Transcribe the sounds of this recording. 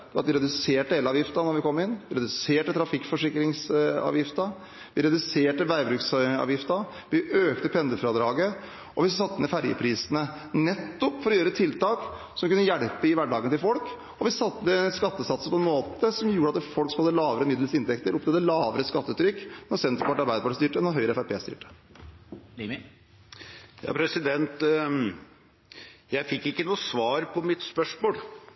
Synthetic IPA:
d̪̥ɛʋɑ̰t̪ʋɪɾɛd̪ʉseːʈd̪eːlɑːʋjɪft̪ɑnɔɾʋɪkʰɔmːɪnʋɪɾɛd̪ʉseːʈət̪ʰɾɑfɪkfɔʂɪkːɾɪŋsɑ̰ːʋjɪft̪ɑ | ʋɪɾɛd̪ʉseːʈəʋæɪbɾʉːksɑ̰ːʋjɪft̪ɑ | ʋɪʔøːkt̪əpʰɛnd̪əfɾɑd̪ɾɑːɡə | ɔʋɪsɑt̪ːəmɛfæɾjə̰pʰɾiːsənə | nɛt̪ːɔpːfɔɾɔjøːɾət̪ʰɪlt̪ɑːk | sɔmkʉnːəjæɽpəɪʋæɖɑːɡənt̪ɪlfɔlk | ɔʋɪsɑt̪ːəəskɑt̪ːəsɑt̪səpʰɔɛnmoːt̪əsɔmjuːɾəɑt̪d̪ɛfɔlkskhɑd̪ːəlɑːʋəɾəmɪd̪l̩sɪnt̪ʰɛkt̪əɾʔʊpt̪ɛd̪əlɑːʋəɾəskɑt̪ːəʉːt̪ʰːɾʏkːnɔɾsɛnt̪əɾəpɑʈːɑɾbæɪd̪əpɑʈəst̪yːʈəɛnɔɦœʏɾəɛfæɾpʰḛːst̪y̰ːʈə̥ | jɑ̰ːpʰɾɛsɪd̪ɛnt̪ | jæɪfɪkːɪkːənuːsʋɑːɾpʰɔmɪt̪spœʂmoːl

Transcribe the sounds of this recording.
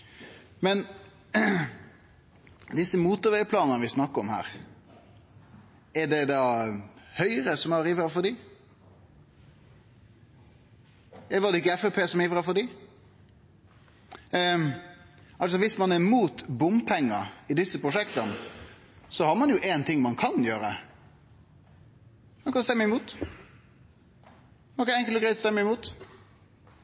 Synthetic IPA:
mɛn | d̪ɪsəmuːt̪ʊɾʋɛpʰlɑːnənəʋɪsnɑkːəɾɔmhæ̰ːɾ | ɛd̪ɛd̪ɑ | hœʏəɾəsɔmɑɾiʋɾɑfɔd̪ɪ | ɛlʋɑd̪ɛɪkːəɛfɛpʰeːsɔmiːʋɾɑfɔd̪ɪ | ʔɑls̬ɔʋɪsmɑnæɾmuːt̪bʊmpʰɛŋːəɪd̪ɪsːəpɾʊʂɛkt̪ən | sɔhɑɾmɑnjʊʔɛːnt̪ʰɪŋːmɑnkʰɑnjøːɾə̰ | mɑnkɑnst̪ɛmːəɪmuːt̪ | ɑkːəɛŋkəlɡɾɛɪt̪st̪ɛmːəɪmuːt̪

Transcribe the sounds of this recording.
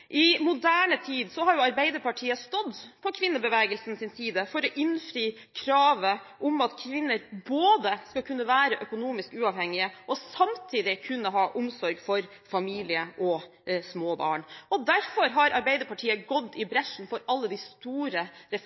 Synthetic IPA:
ʔɪmʊd̪æːɳət̪ʰiːd̪sɔhɑɾjʊɑɾbæɪd̪əɾpɑʈʰiːəst̪ɔd̪pʰɔkʰʋɪnːəbəʋɛːɡəlsn̩sɪnsiːd̪əfɔɾɔʔɪnfɾyː | kʰɾɑːʋəʔʊmɑt̪kʰʋɪnːəɾboːd̪əskɑkʰʉnːəʋæːɾəʔœkʊnuːmɪskʉːɑʋhɛŋːɪəʔɔsɑmt̪ʰiːd̪ɪkʰʉnːəɦɑːʔʊmsɔɾɡfɔɾ | fɑmiːlɪəʔɔ | smoːbɑ̰ːɳɔd̪æɾfɔɾɦɑɾɑɾbɛɪd̪əɾpɑʈʰiːəɡɔd̪ːɪbɾɛʂn̩fɔɾɑlːəd̪ɪst̪uːɾəɾɛ

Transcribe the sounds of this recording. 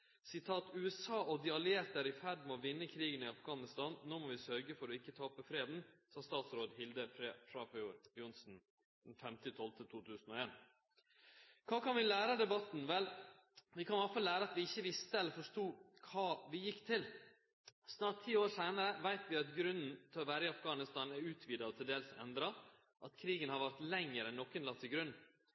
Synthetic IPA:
sɪt̪ʰɑːt̪ʉːɛsɑːʔɔd̪ɪɑleːɾt̪d̪æɾɪfæɖmɔʋɪnːəkʰɾiːɡənɪɑfɡɑːnɪst̪ɑːnnoːmɔʋɪsœɾɡəfɔɾɔɪkːət̪ʰɑːpəfɾeːd̪n̩sɑst̪ɑːt̪sɾoːd̪hɪld̪əfɾfɾɑːfɔjuːɾbjʊnsn̩ | d̪̥ɛnfɛmt̪ɪt̪ʰɔlt̪ʰət̪ʰuːt̪ʰʉːsn̩ɔeːn | kʰɑːkɑnʋɪlæːɾəd̪ɛbɑt̪n̩ʋɛlʋɪkʰɑnʋɑfɑlːæːɾəɑt̪ʋɪɪçːəʋɪst̪əɛlfɔʂʈuːkʰɑːʋɪjɪkːt̪ʰɪl | snɑːʈt̪ʰːiːoːɾʂeːnəɾəʋæɪt̪ʋɪɑt̪ɡɾʉnn̩t̪ʰɪlɔʋæːɾəɪɑfɡɑːnɪst̪ɑːnæɾʉːt̪ʰʋiːd̪ɑɔt̪ʰɪld̪eːlsɛ̰nd̪ɾɑ | ʔɑt̪kʰɾiːɡənhɑɾʋæɾt̪lɛŋːəɾɛnːɔkːənlɑt̪ʰːɪɡɾʉn

